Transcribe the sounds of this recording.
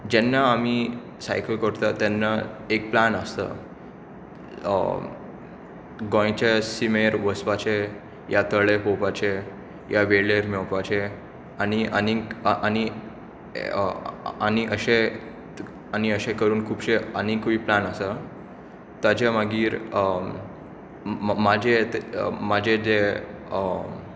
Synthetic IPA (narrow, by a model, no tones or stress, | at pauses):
d͡ʑɛnːaːmi | sa̰jkəlkəɾt̪at̪ɛnːaek̚planəst̪ə̰ | ɡɔ̃j̃t͡ɕesimeɾʋəsʋat͡ɕe | jat̪əɭepopat͡ɕe | jaʋeɽleɾmɛwpat͡ɕe | aniʔənikʔani | aniʔəɕe | aniəɕekəɾuːnkʰuːpɕeənikʋiːplanəsə | t̪ad͡ʑemaɡiːɾ | mad͡ʑet̪mad͡ʑʱed̪e | ə